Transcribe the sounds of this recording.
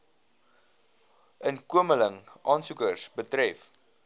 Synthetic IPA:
ʔənkuəmələŋɑːnsukərsbətɾɛf

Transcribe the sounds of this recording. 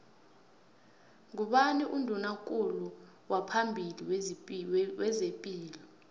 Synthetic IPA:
ŋuɓaniʔundʱunak̬ʼulu | wapʰambʱiliw | wɛzepʼiːlɔ

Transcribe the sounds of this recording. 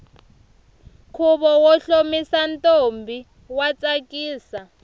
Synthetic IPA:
kʰuβɔwɔɬomisantʼombʱi | wat͡sʼakʼiːsa

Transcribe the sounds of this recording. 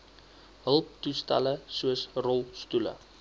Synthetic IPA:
ɦəlˠp̚tustɛ̰ləsuəsrɔlˠstulə̰

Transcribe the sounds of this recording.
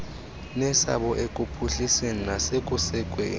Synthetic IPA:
nɛsa̰ɓɔʔekʼupʰuɬiseninasekʼusɛkʼwḛːni

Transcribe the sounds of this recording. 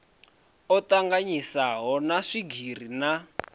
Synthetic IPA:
ɔtaŋɡaɲisaɦɔnaʂiɡʱir̤ina

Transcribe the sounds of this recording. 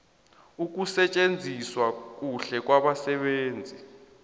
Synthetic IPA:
uk̬usɛt͡ʃʼend͡zʱiswak̬ʼuɬɛk̬waɓasɛɓeːnd͡zʱi

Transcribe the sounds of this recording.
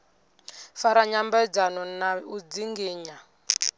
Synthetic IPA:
faɾaɲambɛd͡zanɔnaud͡ziŋɡiːɲa

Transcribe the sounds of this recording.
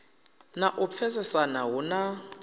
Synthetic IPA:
naʔʊp̪fʰɛsɛsanaɦʊna

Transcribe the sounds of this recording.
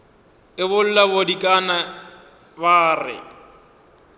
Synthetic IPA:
ɪβʊl̩labodikʼana | baːrɪ̰

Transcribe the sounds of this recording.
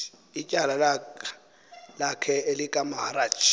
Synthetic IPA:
icʼalal | lakʰɛelɪkʼamahaɾaːt͡ʃʰ

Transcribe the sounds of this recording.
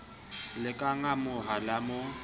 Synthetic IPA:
lɪkʼaŋamʊɦalamʊ

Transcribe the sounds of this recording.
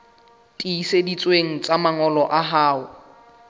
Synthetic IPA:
tʼiːsedit͡sʼweŋ̩t͡sʼamaŋɔlɔʔaɦaːʊ

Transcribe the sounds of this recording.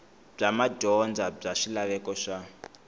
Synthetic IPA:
b͡ʐamaɟɔnd͡zab͡ʐaʂilaβɛkɔʂa

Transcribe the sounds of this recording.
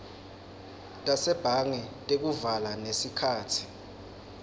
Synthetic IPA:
tʼasɛb̥ʱaŋɛtʼek̬uvalanesikʰaːtʰi̥

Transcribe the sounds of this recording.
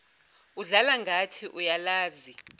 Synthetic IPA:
uɮalaŋɡʱatʰiʔujalaːzi

